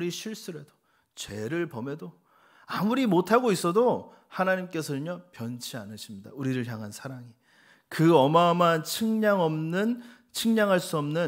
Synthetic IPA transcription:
ɾiɕʰiɭs͈ɯɾedo̥ | t͡ɕwe̞ɾɯɭpʌme̞do | amuɾimotʰaɡois͈ʌdo | hanaɲimk͈e̞sʰʌɯɲʌpjʌnt͡ɕʰia̰nɯɕʰimɲida̰uɾiɾɯɭçjaŋɦansʰaɾaŋi | kɯʌmamant͡ɕʰɯŋɲaŋʌmnɯn | t͡ɕʰɯŋɲaŋɦaɭs͈uʌmnɯ

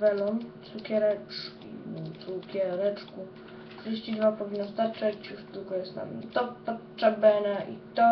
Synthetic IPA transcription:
vɛlɔnt̪sukʲɛɾɛt͡ʂkʲḭt̪sukʲɛɾɛt͡ʂku | kʂɛɕt͡ɕid̪vapɔvʲinːɔst̪aɾt͡ʂat͡ɕjuʂd̪uɡɔjɛst̪na̰mt̪ɔpɔt͡ʂːabɛnaʔḭt̪ɔ

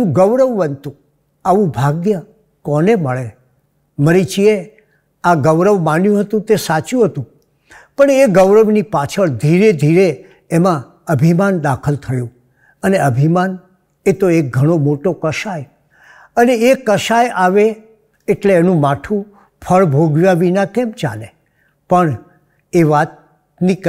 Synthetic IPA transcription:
ũɡəʋɾəʋːənt̪ũ | aʋũbʱaɡjə | kɔneməɭe | məɾit͡ʃie | aɡəʋɾəʋmanjũɦət̪ũt̪esat͡ʃjũɦət̪ũ | pəɳeɡəʋɾəʋnipat͡ʃʰəɭd̪ʱiɾed̪ʱiɾe | emã | əbʱimand̪akʰəlt̪ʰəjõ | əneəbʱiman | et̪oek̚ɡʱəɽ̃omoʈokəʃaj | əneekəʃajaʋeː | ʈleːnũmaʈʰũ | pʰəɭbʱoɡʋjaʋinakɛmt͡ʃa̰le | pəɳ | eʋat̪̚ | nik

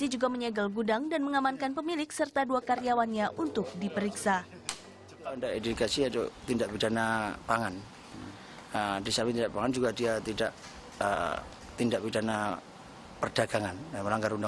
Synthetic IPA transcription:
sid͡ʒuɡaməɲɛɡəlɡudaŋdanməŋamankanpəmilɪksərt̪aduakaɾiawanɲaʔunt̪ʊk̚dipəɾiksa | aundaedukasiat̪o̰t̪indaʔpidanapaŋan | ədisamit̪indaʔpaŋand͡ʒuɡadiat̪idaʔ | ə̰ | t̪indaʔbidana | pərd̥aɡ̥aŋanməlaŋɡaɾunda

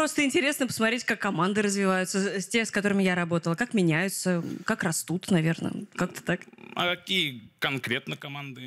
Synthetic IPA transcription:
pɾo̞st̪əɪnʲtʲɪɾʲe̞snəpə̥smɐt̪ɾʲetʲkakːɐmand̪ɨɾəzvʲɪvajʊt̪səsʲtʲeskɐt̪o̞ɾɨmʲɪjaɾɐbo̞t̪əlˠəkakmʲɪnʲæjʊt̪səkakrɐst̪ut̪nɐvʲe̞rnə̰kak̚t̪ə̥t̪akɐ̰kɐkʲijəkɐnkɾʲet̪nəkɐmand̪ɨ

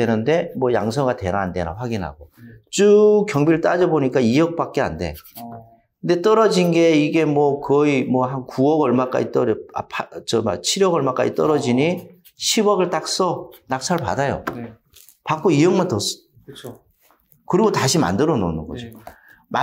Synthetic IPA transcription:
enɯnde̞mwʌja̰ŋsʰʌŋɡate̞̰ɾaande̞̰ɾa̰ɸwaɡinɦa̰ɡot͡ɕ͈ukjʌŋbiɾɭt͈ad͡ʑʌboɲik͈aijʌk̚p͈ak̚k͈ea̰nde̞̰ | kɯndet͈ʌɾʌd͡ʑinɡe̞iɡe̞mwʌkʌimwʌhankuʌɡʌɭmak͈a̰d͡ʑit͈ʌɾa̰pʰat͡ɕʌma̰t͡ɕʰiɾjʌɡʌɭmak͈a̰d͡ʑit͈ʌɾʌd͡ʑiɲi | ɕʰibʌɡɯɭt͈ak̚s͈ʌnak̚sʰaɭpa̰dajo̰ | pak͈oijʌŋmantʌs͈ʰ | kɯɾiɡotaɕʰima̰ndɯɾʌno̰nɯnɡʌ̰d͡ʑo | ma

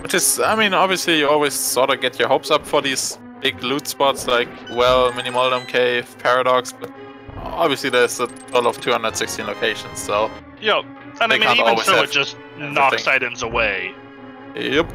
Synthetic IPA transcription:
wʌt͡ʃɨsaɪmĩnɑbviəslijɨɔlˠwiz̥sɔɾəɡɛtʰjə˞hoʊpsʌpfə˞ðiz̥ | b̥ɪɡlutspɑtslaɪkwɛlˠmɪnimɔlˠdə̃mkʰeɪv̥pʰɛɹɨɾɑksb̥ʌt̚ | ɑ̰bviəsliðə˞zətʰolˠʌv̥tʰuhʌ̃ndəd̥sɪkstʰĩnloʊkʰeɪʃə̃nssoʊ | jæ | ə̃naeɪĩãtɔlˠwizoɨdʒ̥ʌst | nɑksaɪɾɨ̃nzəweɪ̰ | jɨ

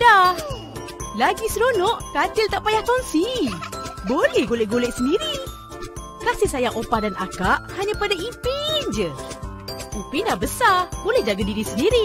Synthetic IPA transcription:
dah | laɡisəɾonɔʔkat͡ʃɪlt̪aʔpajahkansi | bolɛhɡolɛʔɡolɛʔsəndiɾi | kasihsajaŋʔopahdanʔakaʔhaɲãpadaʔipind͡ʒə | upinahbəsab̥olɛhd͡ʒaɡadiɾisəndiɾi

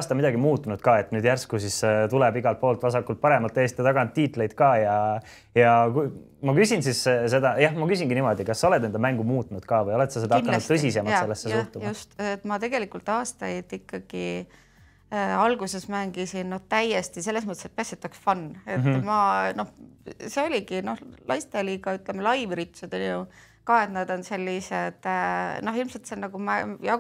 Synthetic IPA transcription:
ɑːst̪ɑmid̪ɑɡimuːt̪ːˑunud̪̥kɑːe̞t̪ːˑnyːd̪̥jærskusist̪ulebiɡɑlt̪̚po̞ːlt̪ˑvɑsɑkːult̪̚pɑɾe̞mɑlt̪ːˑest̪it̪ɑɡ̥ɑnt̪ːiːt̪ˑle̞jd̪̥kɑːjɑ | jɑku | mɑkysinsisse̞d̪ɑjɑhmɑkysʲiŋɡinimo̞d̪ikɑsːɑoled̪ne̞nd̪ɑmæŋɡ̥umuːt̪ːˑunud̪̥kɑːvɤjo̞le̞t̪sɑsed̪ɑkːɑnnud̪ɤs̬ise̞mɑselːesːesuht̪umjɑust̪et̪ːmɑt̪e̞ɡ̥elikult̪ɑːst̪ɑjd̪̥ikːɑɡ̥i | ɑlɡuse̞smæŋɡ̥isinno̞ht̪æjest̪ise̞lːesmɤt̪eset̪̚peset̪ːˑɑksfɑnːe̞t̪ːmɑno̞hseolʲiɡino̞hlʔɑjst̪eliːɡ̥ɑyt̪ˑlemelɑjvɾit̪sud̪̥onju | kɑːe̞t̪nɑd̪o̞nse̞lʲːised̪̥no̞ɦilmselt̪senɑɡ̥umæjɑ

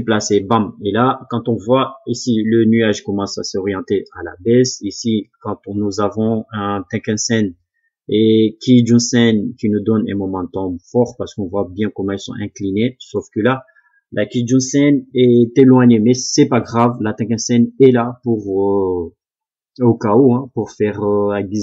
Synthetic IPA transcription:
plasɛbãmelakɑ̃t̪ɔ̃vwaisilənyaʒkɔmɑ̃sasɔʁjɑ̃t̪eala̰bɛsisikɑ̃t̪nuzavɔ̃ɛ̃t̪ɛ̃kɛ̃sɛn | ekʲid̪ynsɛnkʲinud̪ɔnɛ̰̃mɔmɑ̃t̪ɔ̃fɔʁpaʁsə̥kɔ̃vwabjɛ̃kɔmɑ̃ɛlsɔ̰̃ʔɛ̃klinesɔfkəla | lʔakʲid̪ỹsɛnɛt̪elwaɲemɛsɛpaɡʁavlat̪ɛ̃kɛ̃sɛnɛlapuʁ | okaoɛ̃puʁfɛʁøaɡi

